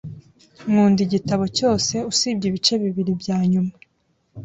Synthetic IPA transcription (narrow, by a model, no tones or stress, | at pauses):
mŋuːndiɟitaβo̞co̞ːse̞usiːb̚ɟiβit͡ʃe̞βiβiɾibɟaːɲuma